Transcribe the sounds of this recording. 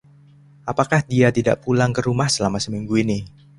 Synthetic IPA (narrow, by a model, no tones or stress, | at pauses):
ʔapakahdiat̪ida̰ʔpulaŋkəɾumahsəlamasəmiŋɡuini